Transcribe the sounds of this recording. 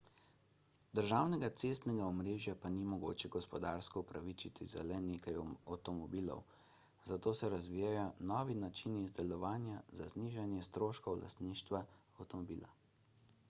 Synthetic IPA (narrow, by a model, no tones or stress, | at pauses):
d̪əɾʒaːwnɛɡat̪sest̪nɛɡaɔmɾeːʒjapanimɔɡo̰ːt͡ʃɛɡɔspɔd̪aːɾskɔupɾaʋit͡ʃit̪ḭza̰lɛnekajawt̪ɔmɔbiːlɔ̰w | zat̪oːsɛɾazʋiːjajɔnɔːʋinat͡ʃinizd̪ɛlɔʋaːnjazazniʒanjɛst̪ɾoːʃkɔwla̰st̪niːʃt̪ʋaawt̪ɔmɔbḭːla̰